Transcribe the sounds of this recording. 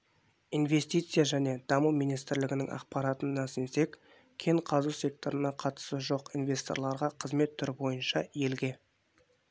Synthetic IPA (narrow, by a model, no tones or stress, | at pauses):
inve̞st̪ijt̪sɨjaʒæne̞d̪̥ɑməwmijnijst̪ɪɾlɪɡʲɪnɪŋʔɑ̰qpɑɾɑt̪ənːæsɪnse̞k | kʲʰe̞ɴqʰɑzusʲe̞k̚t̪o̞ɾənɑqʰɑt̪ə̥səʒo̞qinvʲe̞st̪o̞̰ɾlˠɑɾʁɑqʰəzme̞t̪ʰːʏɾbo̞jənʃɑje̞lɡʲe̞